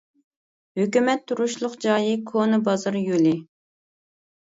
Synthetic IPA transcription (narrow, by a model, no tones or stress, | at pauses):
høkʲymɛt̪ʰːuɾuʃlˠʊqd͡ʒɑːjikʰonɨbɑzɑɾjulɪ